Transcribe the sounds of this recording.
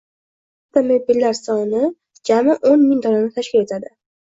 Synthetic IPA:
t̪amɪbɪlːaɾsɒnɪ | d͡ʒamɪʔonmɪŋd̪ɒnanɪt̪ʰaʃkʲɪle̞t̪ʰad̪ɪ

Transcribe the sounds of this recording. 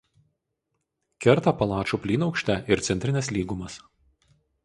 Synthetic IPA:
kʲɛɾt̪ɑpɐlˠɑːt͡ʃuːpʲlʲiːnɒʊkʃʲt̪ʲɛʔɪɾt̪sʲɛnʲt̪ʲɾʲɪnʲɛslʲiːɡumɐs

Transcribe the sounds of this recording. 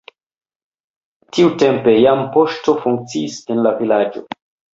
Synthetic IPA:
tiute̞mpe̞jampo̞ʃto̞fuŋk̚t͡siːsenlavilad͡ʒo̞̰

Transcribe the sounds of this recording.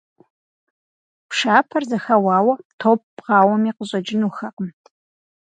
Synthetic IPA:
pʂaːpʰɐrzɐxɐwɑːwɐtʰoːp̚ːʁɑːwɐmiːqəʑʼɐd͡ʒɪnuxɐqəm

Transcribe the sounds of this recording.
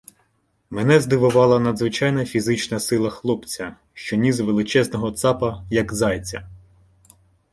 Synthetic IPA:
menɛzd̪ɪʋʊʋɑlˠɐnɐd̪zʋɪt͡ʃɑjnɐfʲizɪt͡ʃnɐsɪlˠɐxlˠɔpt͡sʲɐ | ʃt͡ʃɔnʲizʋelˠɪt͡ʃɛznɔɦɔt̪sɑpɐjɐkzɑjt͡sʲɐ

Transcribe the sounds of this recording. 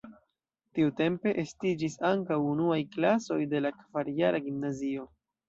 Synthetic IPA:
tiute̞mpe̞ʔestid͡ʒisaŋkawunuajklaso̞jde̞lakv̥aɾjaɾʔaɡimnazio̞

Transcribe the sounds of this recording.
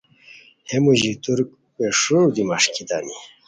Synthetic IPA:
hemuʑit̪uɾk̚ | peʂud̪imaʂkid̪ani

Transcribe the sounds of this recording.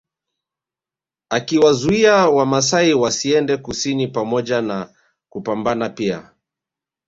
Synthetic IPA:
akiwazuiawamas̬aiwasiɛndɛkusinipamɔʄana | kupambanapia̰

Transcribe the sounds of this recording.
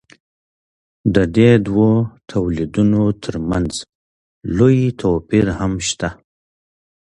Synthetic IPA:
d̪əd̪ed̪wot̪ʰawlid̪unot̪ʰəɾmanz | lojt̪ʰopiɾhamʃt̪a

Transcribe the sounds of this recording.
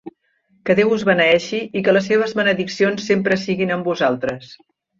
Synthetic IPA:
kəðewuzβənəɛʃiʔikələsːeβ̞əzβənəðiksionsːempɾəsiɣinəmbuzalˠt̪ɾəs

